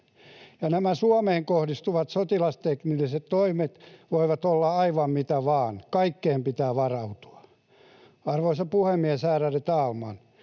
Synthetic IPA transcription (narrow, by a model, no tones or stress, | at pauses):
jɑnæmæsuomeːŋkohdist̪uʋɑt̪sot̪ilɑst̪eknilːiset̪t̪oimet̪ʋoiʋɑt̪olːɑɑiʋɑmmit̪æʋɑːnkɑikːeːmpit̪æːʋɑrɑut̪u̥ɑ̥ | ɑrʋoisɑpuhemːiesæːræret̪ɑːlmɑn